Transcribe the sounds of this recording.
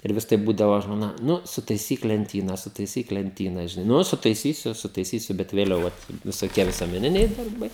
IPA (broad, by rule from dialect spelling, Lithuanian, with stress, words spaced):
ɪr ˈʋʲɪs tɐɪ ˈbuːdɐʋoː ʒmoːˈnɐ ˈnʊ sʊtɐɪˈsʲiːk lʲɛnʲˈtʲiːnɐ sʊtɐɪˈsʲiːk lʲɛnʲˈtʲiːnɐ ʒʲɪˈnɐɪ ˈnʊ sʊtɐɪˈsʲiːsʲʊ sʊtɐɪˈsʲiːsʲʊ bʲɛt ʋʲeːˈlʲɛʊ ʋɐt ʋʲɪsoːˈkʲiɛ ʋʲɪsuɔmʲɛˈnʲɪnʲɛɪ dɐrˈbɐɪ